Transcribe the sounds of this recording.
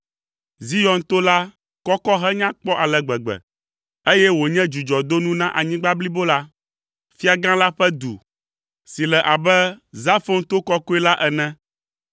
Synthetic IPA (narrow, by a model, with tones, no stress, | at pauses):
zi˦jɔ˨nt̪o˦la˦ | kɔ˦kɔ˦ɦɛ˦ɲã˦k͡pɔ˦ʔa˨lɛ˨ɡ͡bɛ˨ɡ͡bɛ̰˨ | e˦jɛ˦wo˨ɲɛ̃˦d͡ʒu˨d͡ʒɔ˨d̪o˦nũ˦nã˦ʔa˨ɲĩ˦ɡ͡ba˦bli˦bo˦la˦ | fi˦a˨ɡã˦la˦ɸɛ˦d̪ṵ˨ | si˨lɛ˨ʔa˨bɛ˦za˦fo˦nt̪o˦kɔ˦ko˦ɛ˦la˦ʔɛ˨nɛ̃˦